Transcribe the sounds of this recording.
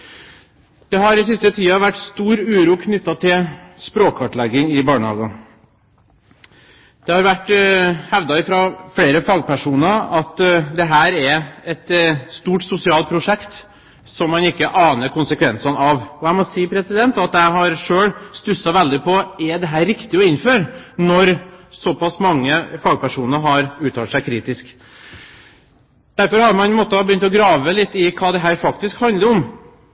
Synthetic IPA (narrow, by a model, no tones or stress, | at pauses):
d̪̥ɛɦɑɾɪs̬ɪst̪ət̪ʰiːɑʋæʈːst̪uːɾʉːɾuːkʰnʏt̪ːɑt̪ʰɪlspɾoːkʰʋɑʈɭɛɡɪŋɪbɑːɳəhɑ̰ːɡɑ | d̪̥ɛhɑɾʋæʈːhɛʋd̪ɑɪfɾɑfɽeːɾəfɑːɡ̚pʰæʂuːnəɑt̪d̪ɛɦæːɾɛɛt̪st̪uːʈsʊsɪɑːlt̪̚pʰɾʊʂɛkt̪ | sɔmːɑnɪkːəʔɑːnəɾkʊnsəkʰʋɛnsɑnɑʋɔæɪmɔsiːpʰɾɛsɪd̪ɛnt̪ɑt̪̚d̪æɪɦɑɾʂøːɽst̪ʉsːɑʋɛld̪ɪpʰɔɛd̪ɛɦæːɾɾɪkt̪ɪɔɪnːføːɾnɔɾsɔpɑsmɑŋːəfɑːɡ̚pæʂuːnəɾɦɑɾʉːt̪ʰɑːt̪sæɪkʰɾiːt̪ɪsk | d̪̥æɾfɔɾhɑɾmɑnmɔt̪ːəbəjʏnt̪ɔɡɾɑːʋəlɪt̪ːɪkʰɑːd̪ɛɦæːɾfɑkt̪ɪskhɑnd̪ləɾɔm